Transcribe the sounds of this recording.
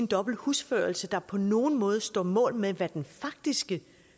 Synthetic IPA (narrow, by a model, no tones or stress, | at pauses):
nd̥ɒ̽b̥l̩husføɐlsəd̥ɑ̈pʰɒ̽no̝ːn̩mɔ̽ːð̞ˠsd̥ɒ̰ːmɔ̰̽ːlmeʋæd̥enfɑ̈ɡ̥̚d̥isɡ̥ə